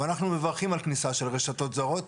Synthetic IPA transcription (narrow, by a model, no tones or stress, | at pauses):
anaχnumevaʁχimalknisaʃe̞lʁeʃat̪o̞t̪zaʁo̞t̪